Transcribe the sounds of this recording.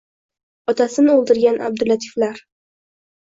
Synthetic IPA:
ɒt̪ʰasɪnɪolˠd̪ɪɾɡʲanʔa̰b̚d̪ɪlat̪ʰɪ̥flaɾ

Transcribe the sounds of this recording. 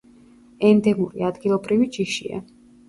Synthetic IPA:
ɛnd̪ɛmuɾiad̪ɡilˠɔbɾivid͡ʒiʃḭa̰

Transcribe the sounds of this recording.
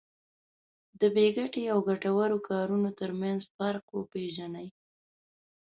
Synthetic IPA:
d̪əbeɡaʈeawɡaʈawaɾokʰɑɾunot̪əɾmanzpaɾqwopeʒanaj

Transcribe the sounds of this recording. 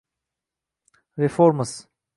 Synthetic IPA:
ɾefoːɾməs

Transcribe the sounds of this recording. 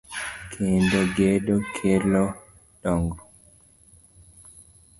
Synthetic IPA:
kʰendoɡedokʰelɔ | dɔŋɡɔ

